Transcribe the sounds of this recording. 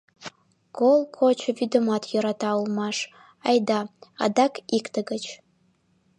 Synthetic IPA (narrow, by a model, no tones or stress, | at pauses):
ɡ̥olˠkʷʰot͡ʃʷʰavidɨmatʰjiɾatʰawlmaʂ | ajdaa̰dakʼʰikʰʼtʰaɡat͡ʃʰ